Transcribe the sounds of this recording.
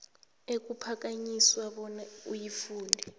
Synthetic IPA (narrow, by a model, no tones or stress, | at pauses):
ek̬ʼupʰak̬aɲiswaɓɔnaṵjifuːndʱɛ